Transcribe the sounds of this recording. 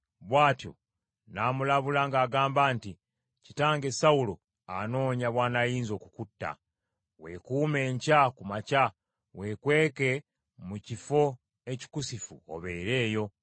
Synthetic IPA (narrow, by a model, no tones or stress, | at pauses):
βwaːtjo̞̰ | naːmulaβulaŋɡaːɡaːmbaːnti | citaːŋɡe̞saulo | ano̞ːɲaβwaːnajiːnzo̞ːkukutːa̰ | we̞̰kuːme̞ːɲcakumaca | we̞kwe̞ːke̞ | mucifo̞ | e̞ci̥kusifṵo̰βeːɾe̞ːjo̞